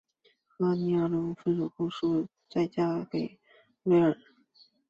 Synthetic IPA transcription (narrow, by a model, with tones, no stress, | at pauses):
xa˥˩ni˧˥a˥˩lʊ˥ŋfə˥˩nɻu˨˩kʊ˥ʂu˥˩ | t͡sa˥˩ɪt͡ɕja˥ke˨˩ɪ | we˥ɪə˞˨˩